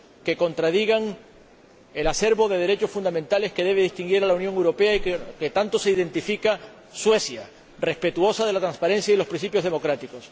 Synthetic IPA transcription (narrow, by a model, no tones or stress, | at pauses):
ke̞ko̞nt̪ɾað̞iɣaŋ | e̞lase̞ɾβo̞ðe̞ð̞e̞ɾe̞t͡ʃo̞sfund̪amẽnt̪ale̞ske̞ðe̞βeðist̪iŋɡiɾalaunjoŋe̞wɾo̞pe̞aike̞t̪ant̪o̞se̞iðe̞nt̪ifika | swe̞sja | re̞spe̞t̪uo̞saðe̞lat̪ɾãnspaɾẽ̞nsjailo̞spɾinsipjozð̞e̞mo̞kɾat̪iko̞s